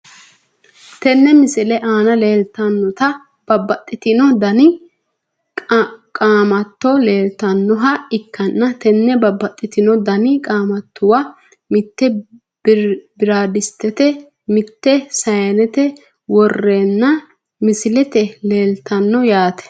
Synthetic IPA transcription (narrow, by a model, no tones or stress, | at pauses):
t̪ɛnːɛmɪsɪlɛʔaːnɐle̞ːlt̪ɐnːɔt̪ɐ | b̥ɐbːɐt̪ʼːɪt̪ɪnɔd̪ɐnɪ | kʼaːmɐt̪ːɔleːlt̪ɐnːɔɦɐɪkːɐnːɐt̪ɛnːɛbɐbːɐt̪ʼːɪt̪ɪnɔd̪ɐnɪkʼaːmɐt̪ːʊwɐ | mɪt̪ːɛ | bɪɾaːd̪ɪst̪ːɛt̪ɛ | mɪt̪ːɛsɐjɐnɛt̪ɛ | wɔrːeːnːɐ | mɪsɪlɛt̪ɛleːlt̪ɐnːɔjaːt̪ɛ̥